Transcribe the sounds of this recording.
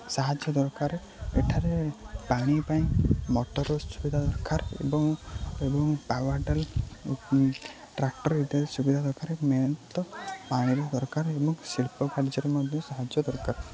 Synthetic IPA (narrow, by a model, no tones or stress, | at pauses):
saɦad͡ʒjɔd̪ɔɾkaɾ | eʈʰaɾepaɽ̃ipaĩmɔʈɔɾɔsubid̪ʱad̪ɔɾkaɾḛbɔŋebɔŋpawaɾʈal | ʈɾak̚ʈɔɾid̪esubid̪ʱad̪ɔɾkaɾemejɔnt̪ɔpaɽ̃iɾɔd̪ɔɾkaɾebɔŋsilpɔkaɽd͡ʒɔɾemɔd̪ʱjɔsaɦad͡ʒjɔd̪ɔɾkaɾ